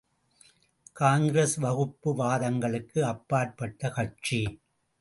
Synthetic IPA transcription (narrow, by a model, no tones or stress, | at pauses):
kaːŋɡɾesʋɐɣɯpːɯʋaːðɐŋɡɐɭɯkːɯɐpːaːɾ̚pɐʈːɐkɐʈ̚t͡ʃi